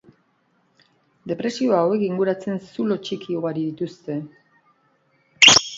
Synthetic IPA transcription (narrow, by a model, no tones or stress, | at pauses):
d̪e̞pɾe̞sio̞aːwekiŋɡuɾat͡se̞nsulo̞t͡ʃikio̞ɣaɾiðit̪ust̪e̞